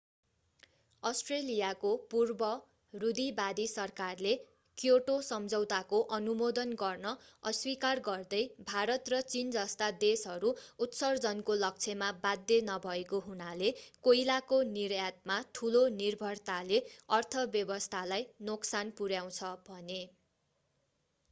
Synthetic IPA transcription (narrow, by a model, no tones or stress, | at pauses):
ʌsʈrelijakopurbʌ | rud̪ibad̪isʌrkarle | kjoʈosʌmd͡zʱʌwt̪akoʔʌnumod̪ʌnɡʌrnʌʌswikarɡʌrd̪ʌjbʱaɾʌt̪rʌt͡sind͡zʌst̪ad̪esɦʌɾuut̪sʌrd͡zʌnkolʌk̚t͡sʰemabad̪jenʌbʱʌekoɦunalekojlakonirjat̪̚mat̪ʰulonirbʱʌrt̪aleʌrt̪ʰʌbjʌbʌst̪ʰalajnoksanpuɾjaw̃t͡sʰʌbʱʌne